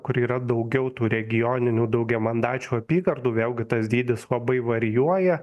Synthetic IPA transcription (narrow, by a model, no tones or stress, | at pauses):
kʊɾiːɾɐd̪ɐʊɡʲɛʊt̪uːɾʲɛɡʲɪjoːnʲɪnʲuːd̪ɐʊɡʲɛmɐnd̪ɑːt͡ʃʲuːɐpʲiːɡɐɾd̪uːʋʲeːlˠɡʲɪt̪ɐsd̪ʲiːd̪ʲɪslˠɐbɐɪʋɐɾʲɪjuɔjɛ